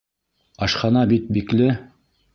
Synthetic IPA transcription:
ɑʃχɑnɑbit̪̚biklɘ

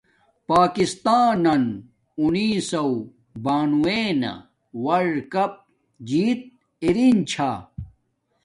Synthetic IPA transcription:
paːkist̪aːnɐn | uniːsɐw | baːnueːnɐ̰ | wɐɽkɐp̚ | d͡ʑiːt̪̚ | iɾint͡ɕʰaː

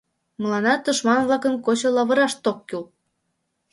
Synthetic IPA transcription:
mɤ̆lˠɑnɑt̪ːə̆ʃmɑnβlɑkənkot͡ɕŏlɑβɤ̆ɾɑʃt̪okːyl

